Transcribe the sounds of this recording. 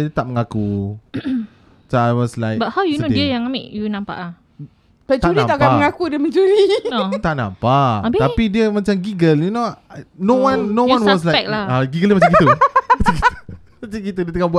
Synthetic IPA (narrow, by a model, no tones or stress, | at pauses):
dət̪aʔ̚məŋaku | t͡ʃawɔslajbathawjunodiəjaŋamḛʔjunãmpa̰ʔla | tat͡ʃuniãaʔakaəŋakudəmə̃nd͡ʒuɾit̪aʔnã̰mpaabeapidiəmat͡ʃamɡiɡəljunonowãnːoãsnwas̬laɛklaaɡiɡəlmat͡ʃakit̪umat͡ʃakiu | mat͡ʃaŋkit̪udiət̪əŋaʔbua